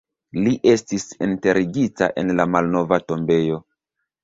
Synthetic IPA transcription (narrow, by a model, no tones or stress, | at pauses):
liʔe̞stisḭnte̞ɾʔiɡita̰ʔe̞̰nlamalno̞vato̞mbe̞jo̞